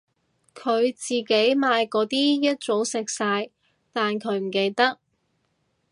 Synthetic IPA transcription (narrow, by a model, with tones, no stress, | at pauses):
kʰɵ˨˧ɥt͡siː˨˩ke˨˥jmaː˨˧jkɔː˨˧˥t̪iː˥jɐ˥t̚t͡so˨˥wsɪ˨k̚saː˧j | t̪aː˨nkʰɵ˨˧ɥm̩˨˩ke˧jt̪ɐ˥k̚